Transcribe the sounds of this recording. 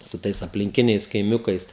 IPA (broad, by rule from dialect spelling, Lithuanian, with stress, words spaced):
sʊ ˈtɐɪs ɐpʲlʲɪŋʲˈkʲɪnʲɛɪs kɐɪˈmʲʊkɐɪs